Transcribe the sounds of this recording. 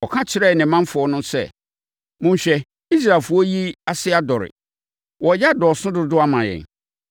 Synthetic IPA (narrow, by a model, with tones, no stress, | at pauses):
ɔ˨kʰã˦t͡ɕʰɪ˨ɾɛ˦˨nɪ̃˨˦mã˦m˦fʊ˨ɔ˦nʊ̃˦sɛ̰˦˨ | mʊ̃˦ɕᶣɛ˦ | i˦s̬ɾa˨fʊ˦ɔ˦ji˦a˦sɪ˦a˦dɔ˨ɾɪ̰˨ | wɔ˨˦ja˦˨dɔ˨sʊ̃˦dʊ˦dʊ˦a˦mã˨jɛ̰˨n